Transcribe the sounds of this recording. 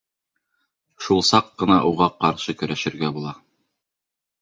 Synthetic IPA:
ʃulˠsɑqːɤ̆nɑʔuʁɑqɑɾʃɤkɵ̆ɾæʃɘ̆ɾɡæbulˠɑ

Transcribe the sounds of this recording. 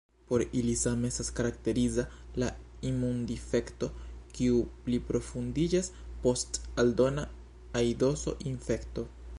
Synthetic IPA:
po̞ɾilisame̞staskaɾakte̞ɾiza | la | imundife̞kto̞kiuplipɾo̞fundid͡ʒaspo̞staldo̞naː | jdo̞so̰ʔinfe̞kto̞

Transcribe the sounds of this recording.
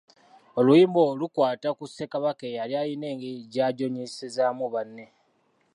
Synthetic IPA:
o̞luiːmbo̞lukwaːtakusːe̞kaβakejaljaːjine̞ːŋɡeɟaːɟo̞ɲisezamuβanːe̞

